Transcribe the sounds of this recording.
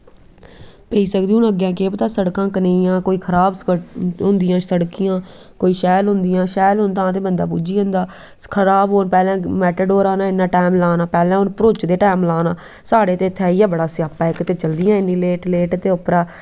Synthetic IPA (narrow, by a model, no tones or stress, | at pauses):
peiːsəkd̪iũːnəɡjãːkeːpət̪aːsəɽkãːkəneːjãːkoːiːkʰəɾaːbskɦʊ̃nd̪ɪjãːsəɽkijãː | koːiːʃɛːlɦʊ̃nd̪ɪjãːʃɛːlɦʊnt̪ãːt̪̬eːbənd̪a̰ːpuːd͡ʒiːɦə̃nd̪aː | kʰəɾaːbɦoːnpɛːlɛ̃ːmɛːʈəɖoːɾaːnaːɪnːãːʈaːmlaːnaːpɛːlɛ̃ːʊnpəɾoːt͡ʃd̪eːʈaːmlaːnaː | saːɽeːt̪eːt̪ʰɛːijãːbəɽaːsɪjaːpaːɪkːt̪eːt͡ʃəld̪ɪjãːɪnːĩːleːʈleːʈt̪eːʊpɾaː